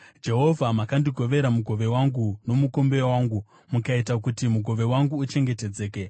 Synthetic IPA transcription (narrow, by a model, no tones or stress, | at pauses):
d͡ʒe̞ɦo̞vʱamakandiɡʱo̞ʋe̞ɾamuɡʱo̞ʋe̞waŋɡuno̞muko̞mbe̞waːŋɡu | mukaitak̬utimuɡʱo̞ʋe̞waŋɡuːt͡ʃe̞ŋɡe̞ted͡ze̞ːke